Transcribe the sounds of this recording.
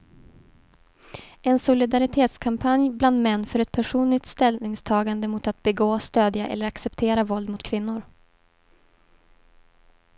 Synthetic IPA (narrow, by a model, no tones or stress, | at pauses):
ɛnsʊlɪd̪aɾɪt̪ʰeːt̪skʰampʰanjbland̪mɛnːfœɾɛt̪̚pʰæʂuːnlɪk̚t̪st̪ɛlnɪŋst̪ʰɑːɡand̪əmʊt̪at̪̚bɛɡoːst̪øːd̪jaʔɛ̰lːəɾaksɛpt̪ʰeːɾavɔld̪mʊt̪kʰvɪnːʊɾ